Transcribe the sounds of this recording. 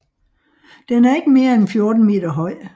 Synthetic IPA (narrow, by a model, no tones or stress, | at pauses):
d̥enæɐe̝ɡ̥əme̝ːɐenfjo̝ɐd̥n̩me̝̰ːd̥ɐɦɒ̽ɪ̰